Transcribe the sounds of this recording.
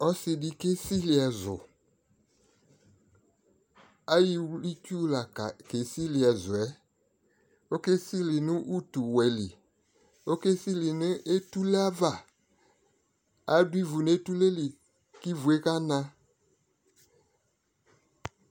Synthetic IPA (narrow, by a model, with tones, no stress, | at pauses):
ɔ˦sɪ˨di˦ke˦si˦li˨ɛ˨zʊ̰˨ | a˦ji˦li˦tu˦la˨ka˨ke˨si˦li˨ɛ˨zʊ˨ɛ˦ | o˦ke˦si˦li˨nʊ˦ʔu˦tu˨wɛ˨lḭ˨ | o˦ke˦si˦li˨ni˦e˦tu˦le˦a˦va˨ | a˨˦di˦vu˨n˦e˦tu˦le˦li˨ | ki˦vu˨e˦ka˦nã˦